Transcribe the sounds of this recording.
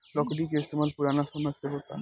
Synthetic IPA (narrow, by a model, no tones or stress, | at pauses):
lɔkoʈik̬est̪ʰomalpuɾanaʃɔmaseɦot̪a̰